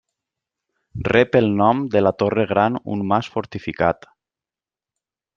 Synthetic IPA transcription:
rɛpelˠnɔmd̪elat̪oreɣ̞ɾanṵnmasfoɾt̪ifikat̪

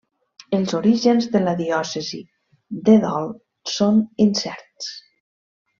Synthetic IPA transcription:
əlˠzoɾiʒənzðələðiɔsəzḭ | d̪əðɔlˠ | soninsɛɾt̪s

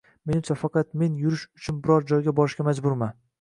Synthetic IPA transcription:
me̞nɪmt͡ʃʰafɑqɑt̪me̞njʊɾɪʃʊt͡ʃʰʊnbɪɾɒɾd͡ʒɒjɡʲabɒɾɪʃkʲamad͡ʒbʊɾma

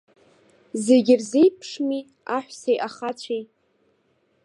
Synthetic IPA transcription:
zeɡʲɪrzejpʰʂmi | aħʷsejʔaχat͡ɕʷʰej

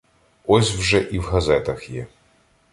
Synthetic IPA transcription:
ɔsʲwʒɛʔiwɦɐzɛt̪ɐxjɛ

